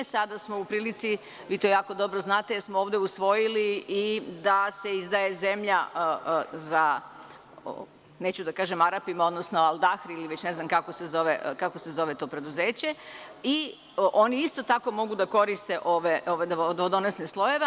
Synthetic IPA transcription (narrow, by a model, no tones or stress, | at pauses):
sad̪asmo̞upɾiːlit̪si | ʋiːt̪ojaːko̞d̪o̞bɾoznaːt̪ejeɾsmooːʋd̪eusʋo̞jiliid̪ase̞izd̪aje̞ze̞mʎa | za̰ | net͡ɕud̪akaːʒemaɾapimo̞d̪nosnoalˠd̪axɾiliʋe̞t͡ɕne̞znamkakosezo̞ʋekakose̞zo̞ʋe̞t̪o̞ːpɾe̞d̪uzeːt͡ɕe̞i | ʔo̞niist̪o̞t̪ako̞mo̞ɡud̪ako̞ɾist̪e̞ʔoʋeʔoʋad̪od̪od̪onesneslˠo̞jeʋe